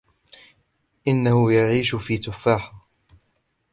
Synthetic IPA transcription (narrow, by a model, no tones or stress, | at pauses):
ʔɪnːahʊjaʕiːʃʊfiːt̪ʊfːaːħa